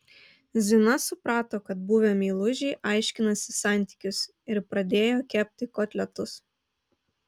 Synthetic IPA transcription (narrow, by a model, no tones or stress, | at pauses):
zʲɪnɐsʊpɾɑːt̪oːkɐt̪̚buːʋʲɛmʲiːlˠʊʒʲɛːʔɑɪʃʲkʲɪnɐsʲɪsɑˑnʲt̪ʲi̥kʲʊs | ɪɾpɾɐd̪ʲeːjoːkʲɛpʲt̪ʲɪkoːt̪ʲlʲɛt̪ʊs